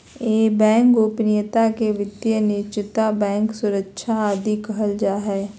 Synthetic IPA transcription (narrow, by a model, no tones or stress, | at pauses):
eːbɛ̃ːŋkʊpnɪjət̪akeʋɪd̪jənɪt͡ʃɪt̪abɛ̃ːŋksʊɾəkʃʰaaːd̪ikɐɦəld͡ʒaːɦɛː